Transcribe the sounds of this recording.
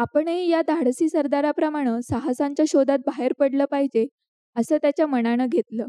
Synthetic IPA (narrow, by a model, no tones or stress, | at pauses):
apəɳɦiːjad̪ʱaɽsiːsəɾd̪aɾapɾəmaɽ̃əːsaɦasaɲt͡ɕjaɕod̪at̪̚baɦeɾpəɽləːpaɦid͡ʑe | əsəːt̪jat͡ɕjaməɽ̃aɽ̃əɡʱet̪ləː